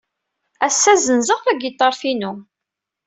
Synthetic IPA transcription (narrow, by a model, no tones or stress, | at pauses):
æsːæzənzəʁæɡjət̪ˤːəɾˤfinu